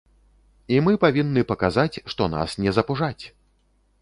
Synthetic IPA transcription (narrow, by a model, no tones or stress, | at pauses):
imɨpavʲinːɨpɐkazat͡sʲʂt̪ɔna̰snʲɛzɐpuʐat͡sʲ